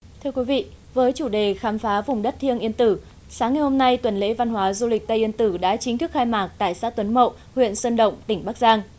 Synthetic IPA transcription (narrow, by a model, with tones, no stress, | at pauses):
t̪ʰɨ˧əkwi˨˦vḭ˧˨ | vəː˨˦jt͡ɕu˧˩ɗe˨˩xaː˨˦mfaː˨˦vʊ˨˩ŋ͡mɗə˦˥t̚t̪ʰi˧əŋʔi˧ənt̪ɨ˧˩ | saː˨˦ŋːa˨˩jho˧mna˧jt̪wə˨˩nlḛ˧˥va˧nɦwaː˨˦zu˧lï˨˩k̟̚t̪ə˧jʔi˧ənt̪ɨ˧˩ɗa̰ː˧˥t͡ɕï˨˦ŋt̪ʰɨ˦˥k̚xaː˧jmaː˨˩k̚t̪a̰ː˧˨jsaː˦˥t̪wə˨˦nmə̰˧˨w | hwḭ˧˨ənsə˧nɗə̰˧˨wŋ͡mt̪ï˧˩ŋ̟ɓa˦˥k̚zaː˧ŋ